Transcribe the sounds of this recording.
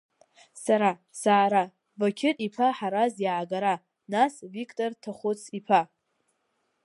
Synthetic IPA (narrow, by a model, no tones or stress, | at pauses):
saɾa | saːɾa | vakʲʰɪtʼipʰaħaɾazjaʕaɡaɾa | nasvikʼtʼortʰaχʷʊt͡sʰipʰa